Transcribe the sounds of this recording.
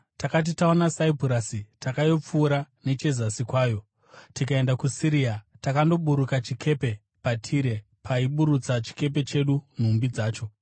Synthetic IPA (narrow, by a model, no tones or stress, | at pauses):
takat̬itaonasaipuɾasitakajo̞p͡fuːɾane̞t͡ʃe̞zasikwaːjo̞ | tikae̞ndakusiɾiatakando̞ɓuɾukat͡ʃikʰe̞pe̞ | patʰiɾe̞ | pʰaiɓuɾut͡sat͡ʃi̥ke̞p̬e̞t͡ʃe̞ɗun̤umbid͡zaːt͡ʃo̞